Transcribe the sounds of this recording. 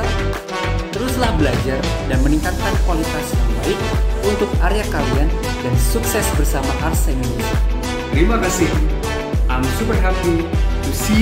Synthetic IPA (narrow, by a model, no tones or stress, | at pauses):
t̪əɾuslahbəlad͡ʒardanməniŋkat̪̚kankuwalit̪asjamba̰ɪk̚unt̪ʊkaɾeakalian | dansuksɛsbərsamaʔarsɛmini | t̪əɾimakasɪh | ʔamsupərɦakuusi